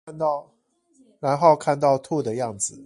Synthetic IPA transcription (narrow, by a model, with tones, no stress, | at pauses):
nt̪ɑ˥˨ʊ | ɻa˧˦nxo˥˧ʊkʰa˥˧nt̪ɑ˥˧ʊt̪ʰu˥˧d̪ə˩jɑ˥˩ŋd͡z̩˨˩